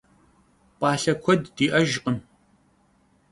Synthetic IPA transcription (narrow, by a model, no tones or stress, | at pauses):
pʼɑːɬɐkʷʰɔdːiːʔɐʒqʼən